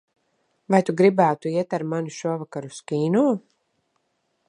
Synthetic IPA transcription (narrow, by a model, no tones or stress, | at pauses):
vajt̪uɡɾibæːt̪uiɛt̪aɾmanuʃuɔvakaɾuskiːnuː